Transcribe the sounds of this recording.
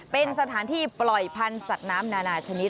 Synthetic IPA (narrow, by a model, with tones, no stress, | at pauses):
pe˧nsa˧t̪ʰaː˩˦nt̪ʰiː˥˩plɔ˨˩jpʰa˧nsa˨˩t̪̚naː˦˥mnaː˧naː˧t͡ɕʰa˧ni˦˥t̪